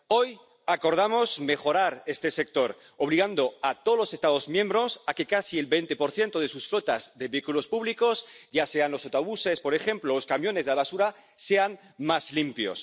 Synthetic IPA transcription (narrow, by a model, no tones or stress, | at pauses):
o̞j | ako̞ɾð̞amo̞zme̞xo̞ɾaɾe̞st̪e̞sek̚t̪o̞ɾ | oβ̞liɣand̪o̞at̪olose̞st̪aðo̞zmjẽ̞mbɾo̞sake̞kasielβe̞jnt̪e̞po̞ɾθje̞nt̪oð̞e̞susflo̞t̪azðeβeikulo̞spuβliko̞sɟ͡ʝase̞anlo̞sot̪oβuse̞spo̞ɾe̞xe̞mploloskamjo̞nezðaβasuɾa | se̞an | mazlimpjo̞̰s